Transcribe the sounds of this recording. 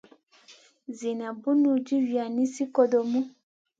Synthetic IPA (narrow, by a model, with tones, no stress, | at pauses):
zi˨nã˨bu˦nũ˦d͡ʒi˦ɥi˨a˨nĩ˦si˦ko˦do˨mũ˦